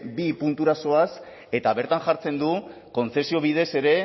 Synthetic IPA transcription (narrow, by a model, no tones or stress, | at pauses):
bipunt̪uɾaso̞as | e̞t̪aβe̞ɾt̪aŋʝaɾt͡se̞nd̪u | ko̞nt͡se̞sio̞β̞ið̞e̞se̞ɾe̞